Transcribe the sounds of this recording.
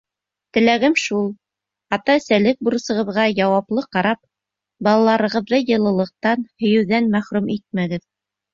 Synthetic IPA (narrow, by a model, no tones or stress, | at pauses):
t̪ɘ̆læɡɘmʃulˠ | ɑt̪ɑsælɘk̚buɾɤ̆sɤ̆ʁɤ̆ðʁɑjɑwɑplˠɤqɑɾɑp̚ | bɑlˠɑlˠɑɾɤ̆ʁɤ̆ðːɤjɤ̆lˠɤ̆lˠɤ̆q̚t̪ɑnhɵ̆jɘ̆wðænmæχɾʉmit̪̚mæɡɘð